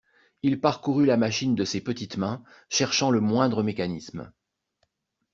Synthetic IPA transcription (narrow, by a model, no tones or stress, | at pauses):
ilpaʁkuʁylamaʃind̪əsepət̪it̪mɛ̃ | ʃɛʁʃɑ̃ləmwɛ̃d̪ʁəmekanism